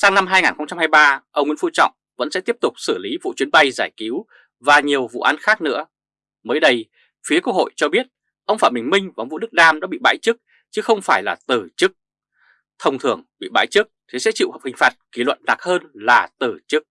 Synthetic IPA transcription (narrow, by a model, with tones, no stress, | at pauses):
saː˧ŋna˧mɦaː˧jŋaː˨˩nxə˧wŋ͡mt͡ɕa˧mhaː˧jɓaː˧ʔə˧wŋ͡mŋḭ˧˥nfṵ˧t͡ɕɔ̰˧˨wŋ͡m | və̰˧˥nsɛ̰˧˥t̪i˦˥əp̚t̪ʊ˨˩k͡p̚sɨ˧˩li˨˦vṵ˧˨t͡ɕwi˨˦ənɓa˧jzaː˧˩jki˨˦w | vaː˨˩ɲi˨˩əwvṵ˧˨ʔaː˨˦nxaː˦˥k̚nɨ̰˧˥ə | məː˨˦jɗə˧j | fi˨˦əku˧˥k̚ho̰˧˨jt͡ɕɔ˧ɓi˦˥ət̚ | ʔə˧wŋ͡mfaː˧˩mï˨˩ŋ̟mï˧ŋva˨˧ŋ͡mvṵ˧˥ɗɨ˦˥k̚ɗaː˧mɗa̰ː˧˥ɓḭ˧˨ɓa̰ː˧˥jt͡ɕɨ˦˥k̚ | t͡ɕɨ˨˦xə˧wŋ͡mfaː˧˩jlaː˨˩t̪ɨ˨˩t͡ɕɨ˦˥k̚ | t̪ʰə˧wŋ͡mt̪ʰɨ˧˩əŋɓḭ˧˨ɓa̰ː˧˥jt͡ɕɨ˦˥k̚t̪ʰe˨˦sɛ̰˧˥t͡ɕḭ˧˨whəː˨˩p̚hï˨˩ŋ̟faː˨˩t̚ki˧˩lwə̰˧˨nna˨˩k̚həː˧nlaː˨˩t̪ɨ˨˩t͡ɕɨ˦˥k̚